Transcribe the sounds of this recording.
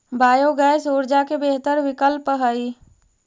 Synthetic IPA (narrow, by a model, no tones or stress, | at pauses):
baːjoɡəjsoːɾd͡ʒakebeɦt̪əɾwɪkəlpəɦəi